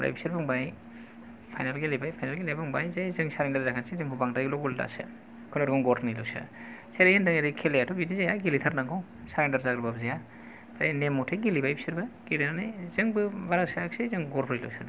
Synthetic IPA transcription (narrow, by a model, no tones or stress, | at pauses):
ɾa̰jbisiɾbaŋbaj | pʰajnalɡilibajpʰajnalɡilabɯŋbajzajzɯŋsaɾeŋdaɾzakʰansezɯŋbʰubaŋdaɡlɔɡulda̰sɯ̰ | kʰunaɾɡɔŋɡɔɾʰnajlɔwsɯ̰seɾejhɯndɯŋeɾɯkʰelejatʰɔbidizajaɡilitʰaɾnaŋɡaw | saɾeŋdaɾzaɡɾɯbabzeja | pʰaɾanemɔtʰeɡilibajbi̥siɾbaɡ̥ilinanajzɯŋbɯbaɾasajaksezɯŋɡɔɾpʰɯɾilɔ̰wsɯd